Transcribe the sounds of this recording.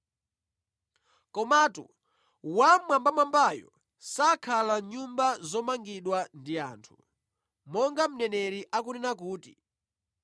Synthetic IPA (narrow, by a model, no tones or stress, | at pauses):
kɔmatṵ | wamwambamambajɔ̰ | sakʰalaɲumbazɔmaŋɡiɗwandia̰ːntʰu̥ | mɔŋɡam̩nɛnɛɾiʔakunɛnak̬uːtḭ